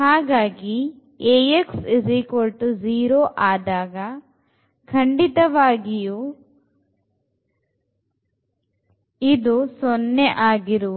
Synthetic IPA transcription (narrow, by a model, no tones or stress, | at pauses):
haːɡaːɡi | eːeksizikolʈd͡ʒiːɾoːʔaːd̪aːɡɐ | kʰɐɳɖit̪ɐʋaːɡiju | id̪usonːeʔaːɡiɾuʋu